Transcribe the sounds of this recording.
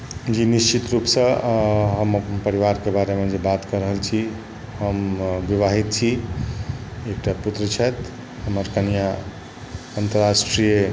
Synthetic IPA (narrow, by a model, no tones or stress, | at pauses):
d͡ʒinist͡ʃit̪ɾupsə̃ɦəmpəɾiʋaɾkebaɾemed͡ʒebat̪kəɾəɦəlt͡ʃʰi | ɦəmbiʋaɦit̪̚t͡ʃʰi | ekʈaput̪ɾət͡ʃʰɛt̪ʰ | ɦəməɾkənija | ənt̪əɾasʈɾije